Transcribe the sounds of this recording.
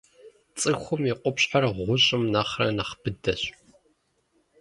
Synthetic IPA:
t͡sʼɨxʷʊmiqʷʼʊpɕʼħarʁʷʊɕʼɪmnaːχrɐ̰naχb̥ɨdɐɕ

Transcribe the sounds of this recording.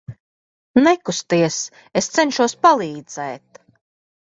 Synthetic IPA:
nɛkust̪iɛs | est̪sɛnʃuɔspalˠiːd̪z̥ɛːt̪

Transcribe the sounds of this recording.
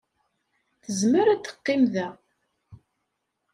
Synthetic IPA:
θəzməɾæt̪ːə̥qːɪmðæ

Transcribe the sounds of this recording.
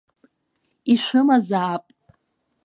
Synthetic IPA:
iʂʷɨmazaːpʼ

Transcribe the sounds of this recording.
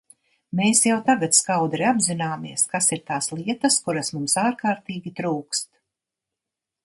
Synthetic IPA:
meːsjawt̪aɡat̪skawd̪ɾiabzinaːmiɛskasiɾt̪aːslˠiɛt̪ɐskuɾasmumsaːɾkaːɾt̪iːɡʲit̪ɾuːkst̪

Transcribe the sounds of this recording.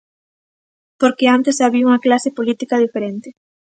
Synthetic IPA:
poɾkeant̪esaβiuŋɐklasepolit̪ikað̞ifeɾent̪e

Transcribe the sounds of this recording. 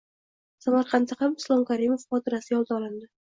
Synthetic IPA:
samaɾqʰɑnt̪ʰahamʊslˠɒmkʰaɾimofχɒt̪ʰɪɾasɪjɒlˠd̪aɒlˠɪnd̪ɪ

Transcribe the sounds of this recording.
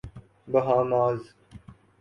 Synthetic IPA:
bəɦãːmaːz

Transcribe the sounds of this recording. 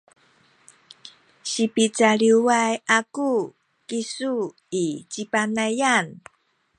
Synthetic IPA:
ɕipit͡saɾiwajaku | kisu | it͡ɕipanajan

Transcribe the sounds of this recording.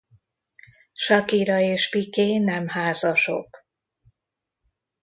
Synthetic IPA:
ʃɒkiɾɒeːʃpikeːnɛmhaːzɒʃo̞̰k

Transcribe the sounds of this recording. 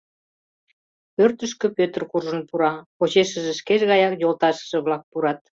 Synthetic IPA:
pørt̪əʃ̬kø̆pøt̪ərkurʒə̆npuɾɑpot͡ɕeʃə̆ʒĕʃkeʃɣɑjɑkjolt̪ɑʃə̥̆ʒĕβlɑk̚puɾɑt̪̚

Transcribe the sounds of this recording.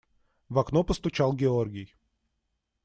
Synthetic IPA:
vaknopəst̪ʊt͡ɕalˠɡʲɪorɡʲɪj

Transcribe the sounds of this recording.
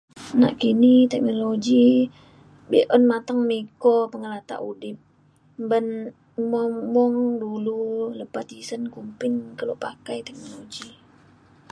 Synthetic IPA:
na̰ʔkinit̪ɛk̚noloɡi | bɛʔɔnmat̪aŋmikɔpəŋəlat̪a̰ʔudɪp̚ | mbən | mɔmɔŋdululəpat̪isənkumpɪŋkəlopakajt̪ɛk̚noloɡi

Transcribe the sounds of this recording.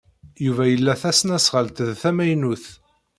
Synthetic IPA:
juvæjəlːæθæsnæsʁəlt̪ðθæmæjnuθ

